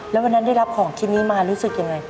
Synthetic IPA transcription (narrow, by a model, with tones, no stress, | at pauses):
lɛː˦˥wa˧nːa˦˥nda˥˩jla˦˥p̚kʰɔː˩˦ŋkʰi˦˥t̪̚niː˦˥maː˧ɾuː˦˥sɯ˨˩k̚ja˧ŋːa˧j